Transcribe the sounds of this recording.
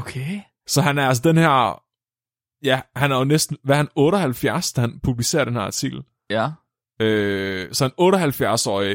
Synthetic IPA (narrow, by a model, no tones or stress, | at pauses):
okʰe | sɒ̽ɦænæɐæls̬əd̥enhæɐ̰ | jæhænæɐjonesd̥n̩ʋæɐhænɔ̽ːɾɒhælfjæɐsd̥æhænpʰub̥lise̝̰ːɐɾ̥enhæɐɑt͡sʰiɡ̥l̩ | øːsɒ̽ænɔ̽ːɾɐɦælfjæɐsɒ̰ːi